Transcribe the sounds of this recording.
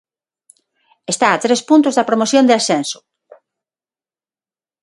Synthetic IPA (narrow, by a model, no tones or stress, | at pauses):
est̪aːt̪ɾespunt̪ʊzðɐpɾomoθjõnd̪easɛnsʊ̥